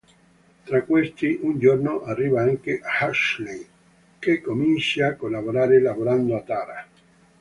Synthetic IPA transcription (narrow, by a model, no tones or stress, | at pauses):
t̪ɾakːwest̪iʔund͡ʒornoʔarːiːvaaŋkeʔahaʃlej | kekːomint͡ʃaakːolːaboɾaːɾelavoɾand̪oat̪aːɾa